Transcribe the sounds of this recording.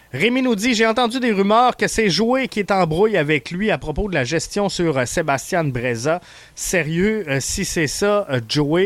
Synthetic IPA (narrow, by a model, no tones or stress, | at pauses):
ʁeminud̪iʒeɑ̃t̪ɑ̃d̪yd̪eʁymœːʁkəsɛʒuekʲiet̪ɑ̃bʁujavɛklɥiapʁɔpod̪əlaʒɛst̪jɔ̃syʁsebast̪jɛ̃nbʁeza | seʁjøsisɛsɔʒue